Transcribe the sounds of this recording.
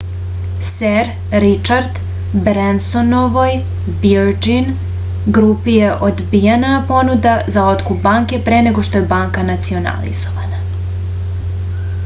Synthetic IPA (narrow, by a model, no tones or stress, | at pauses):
seɾ | ɾit͡ʃaɾd̪ | bɾensonoʋoj | vioɾd͡ʒin | ɡɾupijeʔod̪bijenapo̞nud̪azao̞t̪kubaŋke̞pɾeneɡo̞ʃt̪o̞jebaːŋkanat̪sio̞na̰lḭzoʋana